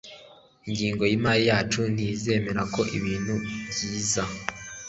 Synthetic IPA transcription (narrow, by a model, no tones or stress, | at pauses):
iɲɟiːŋɡo̞jiːmaːɾijaːt͡ʃun̥ize̞ːme̞ɾako̞ʔḭβiːn̥huβjiːza